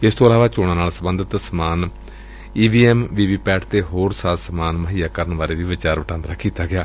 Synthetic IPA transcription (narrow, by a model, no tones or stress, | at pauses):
ɪst̪ʰoːəlaːʋaːt͡ʃoːɽ̃ãːnaːlsəbənd̪ət̪səmaːn | iːʋiːɛːmʋiːʋiːpɛːʈt̪eːɦoːɾsaːlsəmaːnməɦiːaːkəɾənʋaːɾeːʋiːʋɪt͡ʃaːɾʋəʈʰãːnd̪ɾaːkʰiːt̪aːɡɪjaː